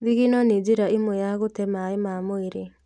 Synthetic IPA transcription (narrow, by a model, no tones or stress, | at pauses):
ðiɣinɔned͡ʒiɾaimwojaɣotɛmaemamoeɾe